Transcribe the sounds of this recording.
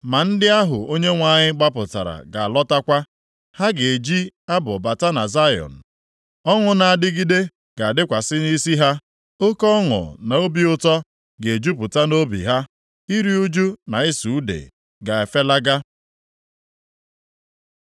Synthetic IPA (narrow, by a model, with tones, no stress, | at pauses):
ma˨n̩˦dɪ˦a˦ɦʊ̰˨o˦ɲe˦ŋʷa˦˨ɲɪ˦ɡ͡ba˦p̬ʊ̰˨ta̰˨ɾa̰˨ɡa˨a˨lɔ˦ta˦kʷa˦ | ha˦ɡe˨e˨d͡ʒi˦a˦bʊ˨ba˨ta˦na˨za˦jɔ̰˨n̩˨ | ɔ˦ŋʊ˨na˨a˨dɪ˦ɡi˦de˦ | ɡ̥a˨a˨dɪ˦kʷa˨sɪ˦ni˦si˦ɦa˦ | o˦kɔ˦ŋʊ̰˨na˨o˦bi˦ʊ˦tɔ˦ | ɡe˨e˨d͡ʒu˦pʊ˨ta˦no˦bḭ˨ɦa˦ | i˦ɾi˦u˦d͡ʒu˦na˨ɪ˦su˨u˦dḛ˨ | ɡa˨e˨fe˦la˦ɡa˦